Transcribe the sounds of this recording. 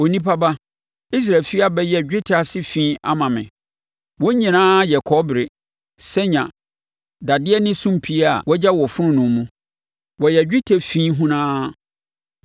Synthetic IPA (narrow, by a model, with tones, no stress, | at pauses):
o˨nĩ˦pʰa˦ba˦ | i˦s̬ɾa˨lfi˦a˦bɛ˦jɛ˦˨d͡ʑᶣɪ˦tʰsɪ˦fĩː˦a̰˦mã˨mɪ̰̃˨ | wɔ˦ɲĩ˨nãː˦jɛ˨kʰɔ˦bɾe˨ | sɛ˦ɲã̰˨ | da˨dɪ˦ɛ˦nɪ̃˦sũ˦m˨pʰi˦a˦˨wɔ˦d͡ʑa˦wɔ˨fʊ˦ɾʊ̃˦nʊ̃˨m˦mũ˦ | wɔ˨jɛ˨d͡ʑᶣɪ˦tʰe˨fĩː˦ɦũ˦nãː˦